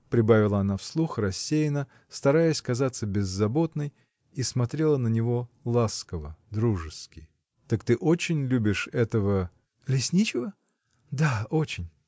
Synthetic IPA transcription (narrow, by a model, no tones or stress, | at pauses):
pɾʲɪbavʲɪlˠəɐnafslˠuxrɐsʲːejɪnə | st̪ɐɾajəsʲkɐzat̪səbʲɪzːɐbo̞t̪nəj | ismɐt̪ɾʲe̞lˠənənʲɪvo̞lˠaskəvəd̪ɾuʐɨskʲɪ | t̪akt̪ɨʔot͡ɕɪnʲlʲubʲɪʂɛt̪əvə | lʲɪsʲnʲit͡ɕɪvə | d̪aot͡ɕɪnʲ